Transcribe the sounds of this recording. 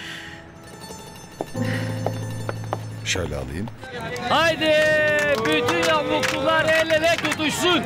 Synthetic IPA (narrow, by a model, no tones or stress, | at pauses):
ʃø̰jlʲɛ̰a̰lˠɯ̰jɯnajd̪ɯbyt̪ʰynjapmuk̚t̪ulˠaɾɛjlʲelɛcot̪yʃsyn